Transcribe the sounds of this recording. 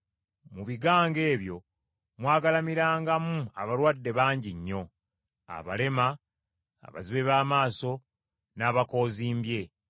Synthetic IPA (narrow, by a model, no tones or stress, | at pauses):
muβiɡaːŋɡe̞ːβjo̞ | mwaːɡalamiɾaːŋɡamuaβalwaːdːe̞βaːɲɟiɲːo̞ | a̰βa̰le̞ma̰ː | βa̰ziβe̞βaːmaːso̞ | naːβako̞ːziːmbje̞